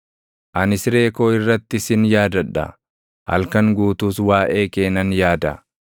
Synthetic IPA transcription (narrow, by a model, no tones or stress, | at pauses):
ʔɐnɪsɾe̞ːko̞ːɪrːɐt̪ːɪsɪnjaːd̪ɐᶑɐ̰ | hɐ̰lkɐŋɡuːt̪uːswaːʔe̞ːke̞ːnɐnjaːd̪ɐ